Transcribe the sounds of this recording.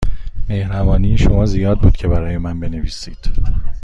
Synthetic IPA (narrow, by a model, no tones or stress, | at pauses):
me̞hɾævɒːniːʃo̞mɒːzijɒːd̪̚buːd̪̥cʰe̞bæɾɒːjemænbe̞ne̞viːsḭːd̪̥